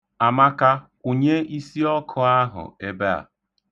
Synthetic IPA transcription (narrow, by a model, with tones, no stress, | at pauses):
a˨ma˦ka˦ | o˨ɲe˦ʔi˦si˦ɔ˦kʰʊ˨a˦ɦʊ̰˨e˦be˦a̰˨